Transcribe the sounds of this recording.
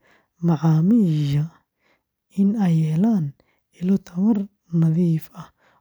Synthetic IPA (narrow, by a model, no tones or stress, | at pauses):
maʕaːmiːʒɐ | ɪnɛjɛːlaːn | ɪlɔt̪ʰɐwɐr | nɐðiːfɐ